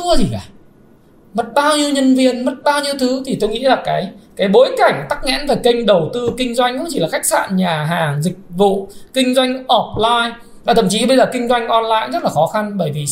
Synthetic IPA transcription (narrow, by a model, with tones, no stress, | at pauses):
əzi˨˩kaː˨˧˩ | mə˦˥t̚ɓaː˧wɲi˧əwɲə˧nvi˧ənmə˦˥t̚ɓaː˧wɲi˧əwt̪ʰɨ˨˦t̪ʰi˨˩t̪o˧jŋḭ˧˥laː˨˩kaː˨˦jkaː˨˦jɓo˨˦jka˨˧˩jŋ̟t̪a˦˥k̚ŋɛ̰˧˥nvaː˨˩kə˧jŋ̟ɗə˨˩wt̪ɨ˧kï˧ŋ̟zwa˧jŋ̟kʊ̰˧˥ŋ͡mt͡ɕi˧˩laː˨˩xa˦˥jk̚sa̰ː˧˨nɲaː˨˩ɦaː˨˩ŋzï˨˩k̟̚vṵ˧˨kï˧ŋ̟zwa˧jŋ̟ʔɔ˧˦˩p̚laː˧j | vaː˨˩t̪ʰə˧˨˩mt͡ɕi˨˦ɓə˧jzəː˨˩kï˧ŋ̟zwa˧jŋ̟ʔɔ˧nlaː˧jzə˦˥t̚laː˨˩xɔ˨˦xa˧nɓəː˧˩jvi˨˩